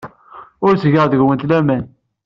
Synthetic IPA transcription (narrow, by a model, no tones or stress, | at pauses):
ʊɾsʝəʁðəʝwənt̪læmæn